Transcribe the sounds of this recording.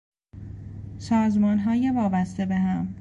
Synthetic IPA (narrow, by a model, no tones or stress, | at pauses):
sɒːzmɒːnɦɒːjevɒːbæst̪e̞beɦæm